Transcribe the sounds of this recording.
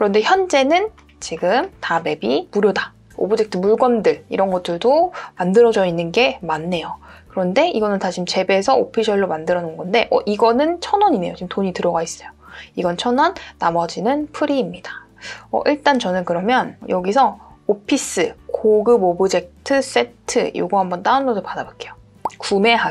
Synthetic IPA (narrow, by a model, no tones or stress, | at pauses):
kɯɾʌnde̞çjʌnd͡ʑe̞nɯn | t͡ɕiɡɯmtame̞bimuɾjoda | o̰bɯd͡ʑek̚tʰɯmuɭɡwʌndɯɭḭɾʌnɡʌt͈ɯɭdomandɯɾʌd͡ʑʌinːɯnɡe̞manːe̞jokɯɾʌnde̞iɡʌnɯntaɕʰimt͡ɕe̞be̞sʰʌopʰiɕʰʌɭːomandɯɾʌnɯnɡʌnde̞ʔʌ̰ʔiɡʌnɯnt͡ɕʰʌnʌɲine̞jot͡ɕimtoɲitɯɾʌɡais͈ʌjoiɡʌnt͡ɕʰʌnʌnːamʌd͡ʑinɯnpʰɯɾiːmɲida | ʌ̰ʔiɭt͈ant͡ɕʌnɯnkɯɾʌmjʌnjʌɡisʰʌopʰis͈ɯkoɡɯbobɯd͡ʑe̞k̚tʰɯs͈e̞tʰɯ̰jo̰ɡuɦambʌnt͈aandʌdopadabok͈e̞jo | kume̞ɦa